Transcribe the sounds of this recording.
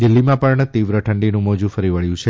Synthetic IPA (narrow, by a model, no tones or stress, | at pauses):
d̪ɪlːimãpəɳt̪iʋɾəʈʰəɳɖinũmɔd͡ʒũfəɾiʋəɭjũt͡ʃʰe